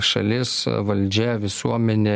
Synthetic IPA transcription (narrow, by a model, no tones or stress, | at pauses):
ʃɐ̰lʲɪsʋɐlʲd͡ʒʲɛʋʲɪsuɔmʲɛnʲeː